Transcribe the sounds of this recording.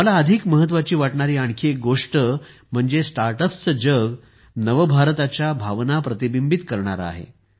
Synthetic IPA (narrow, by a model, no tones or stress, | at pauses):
məlaəd̪ʱikməɦət̪ːʋat͡ɕiːʋaʈɳaɾiːaɳkʰeɡoʂʈə | m̤əɳd͡zesʈaɾʈəpsəd͡ʑəɡ | nəʋəbʱaɾt̪at͡ɕjabʱaʋnapɾət̪ibimbit̪kəɾɳa̰ɾa̰ɦḛ